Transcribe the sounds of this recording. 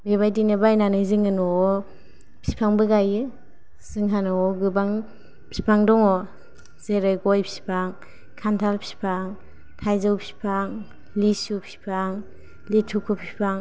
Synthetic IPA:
beβajdinɯbajnanɯziŋɯnɔ | pʰi̥pʰaŋbɯɡajɯ | sɯŋɦanɔɔɡɯbaŋ | pʰi̥pʰaŋdɔŋɔ | zeɾɯɡɔjpʰi̥pʰaŋ | kʰantʰalpʰi̥pʰaŋ | tʰajzɯwpʰi̥pʰaŋ | lisupʰi̥pʰaŋ | litʰukʰɔpʰipʰaŋ

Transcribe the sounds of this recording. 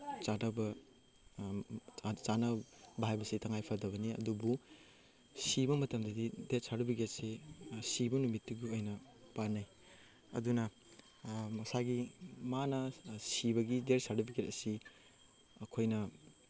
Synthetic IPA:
t͡ʃadɐbɐ | t͡ʃanɐbʱajbɐsitɐŋajpʰɐdɐβɐniɐ̰dubu | sibɐmɐtɐmdɐdideɾsaɾubʰiɡet̚sesibɐnumitːiɡuojnɐ | panaj | ɐ̰dunɐ | mɐsaɡimanɐsibɐɡideɾsadubʰiɡetɐsi | ɐkʰojnɐ

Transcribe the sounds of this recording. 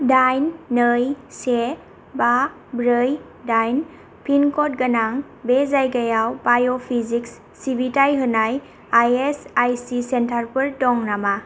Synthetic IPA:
dajnːɯjse | ba | bɾɯj | dajn | pʰinkɔt̚ɡanaŋ | bezajɡajawbajopʰiziksːibitajɦɯnaj | ajesajsisentʰaɾpɯɾtɔŋnama

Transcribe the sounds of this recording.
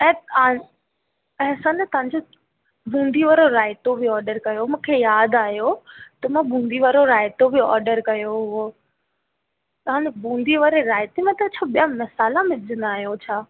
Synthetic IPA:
ɛ̃ːa | ɐɦsãnɛt̪ɐʋ̤ãɲd͡ʑo | bũːnd̪ʱiʋaːɾoɾaːɪt̪obʱiɔːɾɖəɾkɐjomũːkʰejaːd̪aːɦjot̪ɐmãbũːn̆d̪ʱiʋaɾoɾaːɪt̪obiɔ̰ːɾɖəɾkɐjoɦʊo | t̪ɐʋɦãːɲd͡ʑobũːnd̪ʱiʋaːɾeɾaːɪt̪emẽt̪ɐt͡ɕʰaɓijãmɐsaːlãmɪd͡ʑʱənd̪aːɦijot͡ɕʰaː

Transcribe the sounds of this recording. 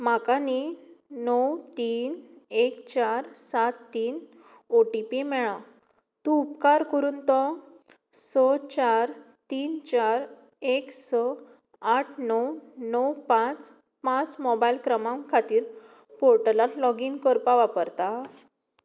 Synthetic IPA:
makaninɔwt̪iːnekt͡ɕaɾsat̪ːiːn | oʈipimɛɭã | t̪ũupkaɾkəɾuːnt̪ɔ | sɔt͡ɕaɾ | t̪iːnt͡ɕaɾ | eksɔ | aʈʰnəwnɔwpãt͡s | pãt͡smɔbailkɾəmãmkʰat̪iːɾ | poɾʈəlat̪lɔɡinkəɾpaʋapəɾt̪a

